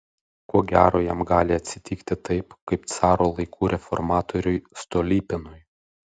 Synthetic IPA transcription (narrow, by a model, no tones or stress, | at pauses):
koɔɡʲæːɾoːjɛmɡɑːlʲɪɐt̪ʲsʲɪt̪ʲiːkt̪ʲɪt̪ɐɪpkɐɪpt̪sɑːɾoːlˠɐɪkʰuːɾʲɛfɔ̰ɾmɑːt̪ɔɾʲʊɪst̪oːlʲiːpʲɪnʊj